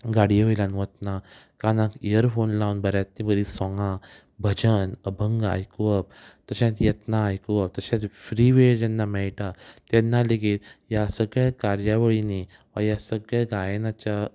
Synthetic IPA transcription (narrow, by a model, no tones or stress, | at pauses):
ɡaɽijəjlãnʋət̪na | kanãkijəɾfonlãwnbəɾjat̪nĩbəɾisɔ̃ŋɡã | bʱəd͡ʑənəbʱəŋɡa̰jkuʋəb̚t̪əɕãt̪jət̪naːjkuʋəp̚t̪əɕãtfɾiʋeɭd͡ʑɛnːamɛɭʈat̪ɛnːaleɡiːljasəɡɭakaɾjaʋəɭini | ʋajasəɡɭjaɡajnat͡ɕa